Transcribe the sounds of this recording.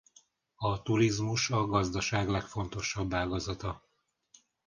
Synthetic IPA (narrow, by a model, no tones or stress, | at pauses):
ɒt̪uɾizmuʃɒɡɒzd̪ɒʃaːɡlɛkfo̞nt̪o̞ʃɒbːaːɡɒzɒt̪ɒ